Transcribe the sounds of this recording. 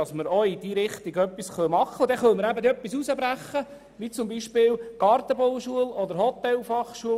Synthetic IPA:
ɑsməɾɔid̪iɾɪχt̪iɡœpːisχœmɑχːəʊdɛχœlməɾæbəd̪œpːisusəbɾæχːə | ʋit͡sʊmbiʃpɪːlɡ̥ɑɾt̪əbɔwʃuəlɔd̪əɾɦɔt̪ɛlfɑχʃuə

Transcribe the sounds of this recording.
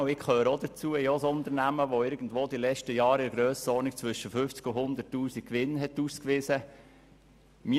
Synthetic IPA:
ɪkʰøːɾəod̪ət͡suəjosʊnt̪əɾnæməʋoɪɾɡ̥ən̩dvoːd̪ilɛt͡ʃtəjɑːɾɪɾəɡɾøːsɔnik̚t͡sʋʏʃəfʏft͡skʊhʊnd̪ətːuːsik̚kːʋɪnɦɛtuːskʋɪsə | mi

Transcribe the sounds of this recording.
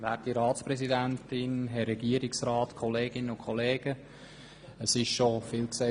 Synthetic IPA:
væːtiɾɑːtt͡spɾɛsidæntɪnɦɛɾɛɡiəɾɪksɾɑːtkʰɔleːɡɪnənʊkʰχɔleːɡ̥ə | əsɪʃʃofɪːlkse

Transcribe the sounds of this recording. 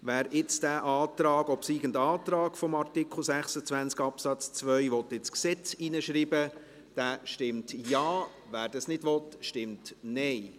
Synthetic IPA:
ʋæːɾɪt͡sd̥æːʔɑːtɾɑːɡɔpsiːɡəndɑːt̪ɾɑːɡ̥fɔmɑɾtɪkχl̩ˠsæχsət͡sʋænt͡skɑpsɑt͡st͡svœʏʋɔt̪ɪt͡sksɛt͡siːnəʃɾiːbə | d̥æːʃtɪmtjɑː | væːɾd̥ɑsnɪd̥ʋɔtʃtɪmtnɛɪ

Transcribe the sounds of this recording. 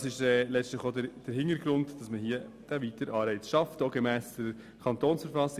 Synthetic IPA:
sɪʃɛːlɛt͡sstləχodd̥əɾhɪntəɾɡɾʊntd̥ɑsməhiəd̥æʋitəɾʔɑːɾbɛɪt͡sʃɑftoɡemæːsd̥ə | kʰɑntoːnsfəɾfɑsɪ

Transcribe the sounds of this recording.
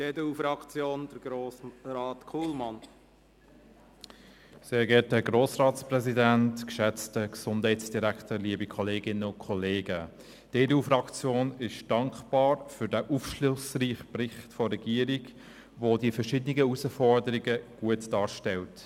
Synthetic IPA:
d̥eːdeufɾɑkt͡sjoːnd̥əɾɡ̥ɾoːsɾɑːtkʰuːlmɑn | seːɾɡɛt̚dəɡroːsrɑːtsprɛzidæntkʃɛt͡stəksʊndhɛɪtsd̥iɾæktəliəbikʰɔleːɡɪnəʊnkʰɔleːɡə | d̥eːdeuːfɾɑkt͡sjoːnɪʃd̥ɑŋkχb̥ɑːɾfʏɾdæʔufʃlʊsriːχprɪχtfɔrːɛɡ̥iəɾiɡ | vodiəfəɾʃɪdənɪɡəusəfɔɾdəɾiɡəɡ̥uətd̥ɑːɾʃtɛlt

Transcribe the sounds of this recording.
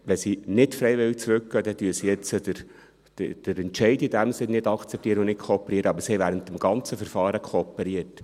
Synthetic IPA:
ʋɛsinɪtfɾɛɪʋɪlt͡sɾʉk̚ɡ̥œːd̥̪ɛd̥yəsijɛt͡sədəɾ̥ | d̥əɾɛntʃɛɪdidæmsɪnɪdɑkt͡sɛp̚tiəɾəʊnɪt̚kʰoɔpːeɾiːəɾəɑbəɾsihɛɪʋæːɾənt̪əmɡ̥ɑnt͡səfəɾfɑːɾəkʰoːpɛɾiət

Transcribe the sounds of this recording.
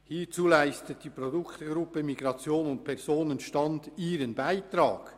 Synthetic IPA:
hiːt͡suːlaɪstət̚d̥ipɾodʊktɡ̥ɾʊpəmiɡɾɑt͡sjoːnʊnt̚pʰɛʁzoːnənʃtɑndiːɾənbaɪtɾɑːɡ̥

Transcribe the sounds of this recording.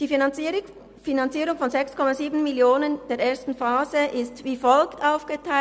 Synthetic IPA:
d̥iː | finant͡siːɾʊŋfɔnzɛkskʰɔmaziːbn̩miljoːnənd̥eːɐeːɐstn̩faːzəʔɪstviːfɔlktaʊfɡ̥ətʰaɪ

